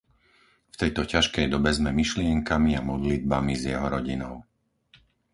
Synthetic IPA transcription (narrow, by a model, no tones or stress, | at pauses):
ft̪ɛjt̪ɔcaʃkɛjd̪ɔbɛzmɛmiʃlɪɛŋkamiamɔd̪lid̪̚bamizjɛɦɔɾɔɟinɔ̰ʊ